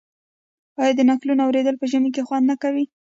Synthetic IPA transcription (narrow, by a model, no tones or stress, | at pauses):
ɑjɑd̪ənaklunoawɾed̪əlpəʒəmik̬exwand̪nakawi